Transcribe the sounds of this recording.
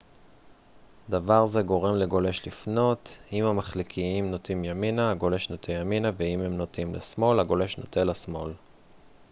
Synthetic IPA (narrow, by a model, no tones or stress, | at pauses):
d̪avaʁze̞ɡo̞ʁe̞mle̞ɡo̞le̞ʃlifno̞t̪imhamaχlikʰiimno̞timjaminaːɡo̞le̞ʃnot̪ʰejaminaveimemno̞timlḛsmo̞laɡo̞le̞ʃnotelasmo̞l